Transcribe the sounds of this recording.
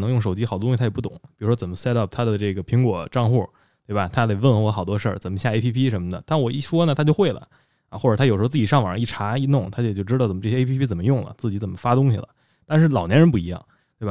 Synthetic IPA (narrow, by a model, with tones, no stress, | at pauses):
nɤ˧˥ŋjʊ˥˩ŋʂo˨˩ʊt͡ɕi˥xd̪ʊ˥ɕi˧t̪ʰjpu˥˩t̪ʊ̰˨˦ŋpi˨˩ɻu˧˥ʂwɔ˥t͡sə˨˩nmə˦sɛ˥ɾɐ˥˩p̚t̪ʰa˥d̪ə˨ʈ͡ʂɤ˥˩ɡə˩pʰi˧˥ŋkwɔ˨˩˦ʈ͡ʂɑ˥˧ŋxu˥˩ | t̪we˥˩bɐ˩t̪ʰa˥le˧ɪwə˥˧n˧xwɔ˥˩xɑ˨˩ʊt̪wɔ˥ʂə˞˥˩t͡sə˨˩nmə˦ɕja˥˧e˥pʰi˥pʰi˥ʂə˧˥nmə˧d̪ə˨t̪ʰa˥˩wɔ˨˩ḭ˥˩ʂwɔ˥nə˨t̪ʰa˥t͡ɕjo˥˧ʊxwe˥˩ɪlə̰˩ | a˧˩xwɔ˥˩ʈ͡ʂt̪ʰa˥jʂ̩˧˥˧t͡s̩˥˩t͡ɕi˨˩ʂɑ˥˩ŋʋa̰˨˩˧i˥˩ʈ͡ʂʰa˧˥i˥˧nʊ˥˩ŋt̪ʰa˥t͡ɕt͡ɕjo˥˩ʊʈ͡ʂɻ̩˥ɑ˥˩t͡sə˨˩m˦˥ʈ͡ʂjɛ˥pʰi˥pʰi˥t͡sə˨˩mə˦jʊ˥˩ŋlə̰˩t͡sɹ̩˥˩t͡ɕi˧˥t͡sə˨˩mə˦fa˥t̪ʊ˥ŋɕḭ˨lə̰˩ | t̪a˥˧nʂɻ̩˥˩lɑ˨˩ʊnjɛ˧˥nɻə˧˥np̬u˥˩i˧˥jɑ̰˥˩ŋ | t̪we˥˩ba˩